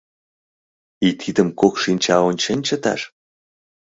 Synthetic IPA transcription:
it̪ʰid̪ə̆mkokʃinʲt͡ɕɑonʲt͡ɕənʲt͡ɕə̆t̪ɑ̰ʃ

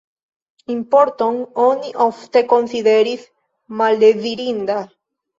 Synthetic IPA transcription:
impoɾt̪oŋoniʔoft̪ekonsiðeɾis | maleðiɾind̪a

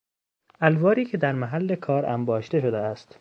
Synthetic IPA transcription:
ʔælvɒːɾiːcʰe̞d̪æɾmæɦælːe̞kʰɒːɾæ̰mbɒːʃt̪e̞ʃod̪eæst̪

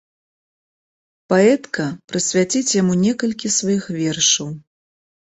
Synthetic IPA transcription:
paɛt̪kɐpɾɨsʲvʲat͡sʲit͡sʲjamunʲɛkɐlʲkʲisvajixvʲɛrʂɐw

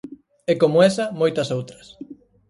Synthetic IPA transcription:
ɛkomʊɛsɐmojt̪ɐsowt̪ɾɐs

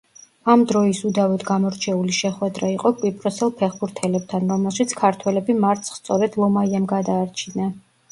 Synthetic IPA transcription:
amd̪ɾɔisud̪avɛt̪ɡamɔɾt͡ʃʰɛuliʃɛχwɛd̪ɾaiqʼɔkʼwipʼɾɔsɛlˠpʰɛχbuɾt̪ʰɛlɛb̚t̪ʰanɾɔmɛlˠʃit̪sʰkʰaɾt̪ʰwɛlɛbimaɾt̪sʰχst̪sʼɔɾɛd̪lˠɔmaiamɡad̪aːɾt͡ʃʰina

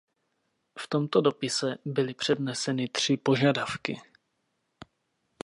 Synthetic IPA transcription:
ft̪o̞mt̪o̞do̞pɪsɛbɪlɪpr̥ɛdnɛsɛnɪt̪r̝̥ɪpo̞ʒadafkɪ

